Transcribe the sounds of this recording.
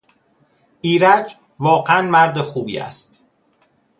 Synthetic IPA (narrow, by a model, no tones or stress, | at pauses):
ʔiːɾæd͡ʒ | vɒːɢeænmæɾd̪exuːbḭːæ̰st̪